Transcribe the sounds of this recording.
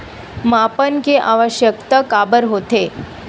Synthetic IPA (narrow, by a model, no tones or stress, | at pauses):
mapənkeʔaʋəɕjəkt̪əkabəɾɦot̪e